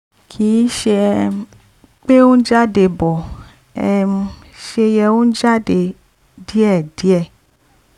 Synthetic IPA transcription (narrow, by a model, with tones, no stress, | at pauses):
kʰi˨˦ʃe˧ | k͡pe˦o˦n̩˦d͡ʒa˦de˧˨bɔ˨ | ɛ̰˧˨˧ | ʃe˧jɛ˧o˦n̩˦d͡ʒa˦de˧˨ | di˨˦ɛ˦˨di˨˦ɛ˦˨